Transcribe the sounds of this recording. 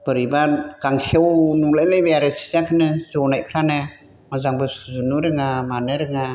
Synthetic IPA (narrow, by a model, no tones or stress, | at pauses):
b̥ɯɾibakaŋsʰiɔwnulajlejbeaɾɯsi̥zakʰɯnɯzɔnajpʰɾana | mazaŋbɯsuzunuɾɯŋamaneɾɯŋa